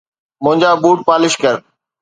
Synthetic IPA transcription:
mʊ̃ɦɪ̃ɲd͡ʑaːbuːʈ̚paːlɪʃkəɾ

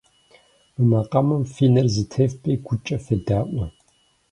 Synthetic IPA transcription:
ɨmɐqʼɐmɐmfiːnɐrzɨtʰefpʼeːɡʷʊt͡ʃʼɐfɐdaːʔʷɐ

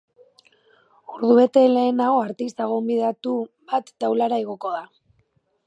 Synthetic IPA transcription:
uɾðuβe̞t̪e̞le̞ːnaɣo̞aɾt̪ist̪aɣombiðeat̪uβat̪ːawlaɾaeɣo̞ko̞ða

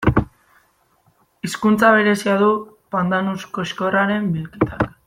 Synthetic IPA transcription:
iskunt͡saβ̞e̞ɾe̞siaðu | pand̪anusko̞ʃko̞raɾe̞mbilkit̪ak

